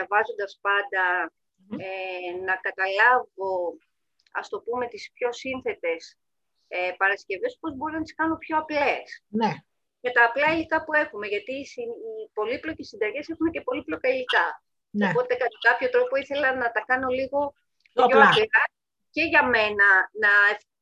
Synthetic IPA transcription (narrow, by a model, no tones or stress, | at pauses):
ɐvɐzo̞nd̪ɐspɐnd̪ɐ | enɐkɐt̪ɐlɐvo̞ | ɐ̰st̪o̞pume̞t̪ispço̞sinθe̞t̪e̞s | epɐɾɐscʲe̞ve̞spo̞zbo̞ɾinɐt̪i̥skɐno̞pço̞ɐple̞s | ce̞t̪ɐːplɐelikɐpue̞xume̞ʝɐt̪iːsiipo̞liplo̞cesːind̪ɐʝe̞sexunece̞po̞liplo̞kɐilikɐ | opo̞t̪e̞kɐt̪ɐkɐpço̞t̪ɾo̞po̞iθe̞lɐnɐt̪ɐkɐno̞liɣo̞ | oɐpiɾɐ | ce̞ʝɐme̞nɐnɐ